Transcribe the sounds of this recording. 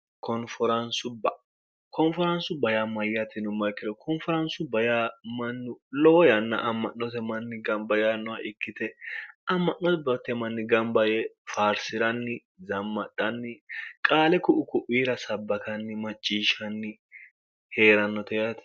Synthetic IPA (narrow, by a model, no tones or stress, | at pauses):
kɔnfɔɾɐnsʊbɐ | kɔnfɔɾɐnsʊbɐjamɐjːɐt̪ɪnʊmːɐkːɪd̪ɔkʰɔnfɔɾɐnsʊbɐjaːmɐnːʊlɔwɔjɐnːɐ̰ʔɐmːɐnːɔt̪ɛmɐnːɪɡɐmbɐjanːɔwaʔɪkːɪt̪ɛɐmːɐʔɔbɐt̪ɛmɐnːɪɡɐmbɐjɛfaːɾsɪɾɐnːɪ | zɐmːɐɗɐnːɪkʼaːlɛkʊʔʊkʊʔiːɾɐsɐbːɐkɐnːɪmɐt͡ʃʼːiːʃɐnːɪ | he̞ːɾɐnːɔt̪ɛjɐt̪ɪ̥